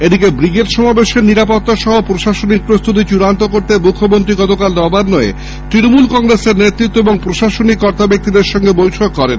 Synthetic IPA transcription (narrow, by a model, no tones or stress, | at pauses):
ed̪ikebɾiɡeʈʃɔmabeʃeɾniɾapot̪ːaʃɔɦopɾoʃaʃonik̚pɾost̪ut̪̬it͡ɕuɾant̪okoɾt̪emukʰːomont̪ɾiɡɔt̪okald̪ɔbaɾnɔḛ | t̪ɾinomulkɔŋɾeseɾnet̪ːɾit̪ːoeboŋpɾoʃaʃonikːɔɾt̪abek̚t̪id̪eɾʃɔŋɡebojʈʰokːɔɾen